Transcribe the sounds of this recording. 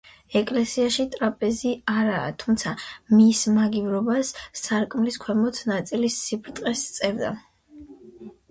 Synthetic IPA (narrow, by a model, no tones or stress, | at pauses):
ɛkʼlɛsiaʃit̪ʼɾapʼɛziaɾa̰ːt̪ʰumt̪sʰamismaɡivɾɔbasːaɾkʼmliskʰwɛmɔt̪ʰnat̪sʼilisːipʰɾt̪ʼqʼɛst̪sʼɛvd̪a̰